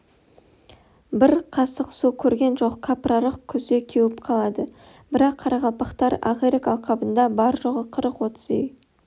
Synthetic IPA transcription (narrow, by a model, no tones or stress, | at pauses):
bɪɾqʰɑsəqsukʲʰɵɾɡʲe̞nʒo̞qkʰapraɾəqkʲʰʏzd̪e̞kʲʰewɪpqʰɑlˠɑd̪ə | b̥ɪɾɑqʰːɑɾɑʁɑlˠpɑqt̪ɑɾa̰ʁeɾɪkɑlˠqʰɑbənd̪ɑbɑɾʒoʁəqʰəɾəqwo̞t̪zej